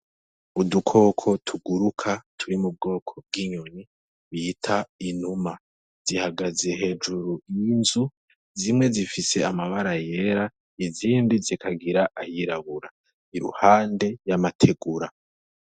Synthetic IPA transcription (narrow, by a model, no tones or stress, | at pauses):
udukʰo̞ːkʰo̞tʰuɡuɾukʰatʰuɾimub̚ɡo̞ːkʰo̞b̚ɡiɲoɲi | βiːtʰainhuma | z̥ihaɡaze̞ɦe̞ːd͡ʒuɾuinzu | zimŋe̞zifise̞amaβaɾaje̞ɾa | iziːndizikʰaɡiɾaʔajiɾaβuɾa | iɾṵhaːnde̞jamatʰe̞ɡuɾa